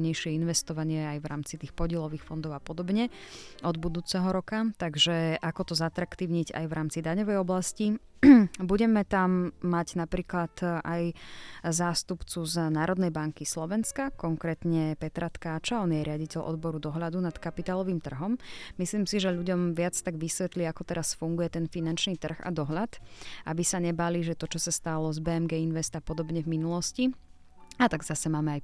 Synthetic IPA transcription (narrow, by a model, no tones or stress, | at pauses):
ɲɛjʃɪɛinʋɛst̪ɔʋaɲɪɛajʋɾa̰ːmt͡sit̪iːxpɔɟɪɛlɔʋiːxfɔnd̪ɔʊapɔd̪ɔbɲɛɔd̪bud̪uːt͡sɛɦɔɾɔkat̪aɡʒɛʔakɔt̪ɔzat̪ɾakt̪iːʊɲiɟa̰jvɾaːmt͡sid̪aɲɔʋɛjɔblasci | buɟɛmɛt̪amːaɟnapɾiːklat̪ʔajzaːst̪upt͡suznaːɾɔd̪nɛjbaŋkislɔʋɛnskakɔŋkɾɛːt̪ɲɛpɛt̪ɾat̪kaːt͡ʃaɔnjɛɾɪaɟicɛʎʔɔ̰d̪bɔɾud̪ɔɦlad̪unat̪kapit̪aːlɔʋiːmt̪r̩ɦɔmmisliːmsiʒɛʎuɟɔmʋɪat͡st̪aɡʋisʋɛt̪liakɔt̪ɛɾasfuŋɡujɛt̪ɛnfinant͡ʃniːt̪r̩ɣa̰d̪ɔɦʎat̪ʔa̰bisaɲɛbaliːʒɛt̪ɔt͡ʃɔsast̪alɔzbɛːɛmɡɛːinʋɛst̪apɔd̪ɔbɲɛvminulɔsci | at̪aɡzasɛmaːmɛaj